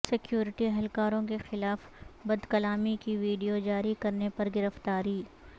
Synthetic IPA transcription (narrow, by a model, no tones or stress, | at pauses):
sɪkjuːɾɪʈiɐɦɛlkaːɾõkexɪlaːf | bɐd̪kɐlaːmikiʋiːɖijod͡ʒaːɾikɐɾnepɐɾɡɪɾəft̪aːɾiː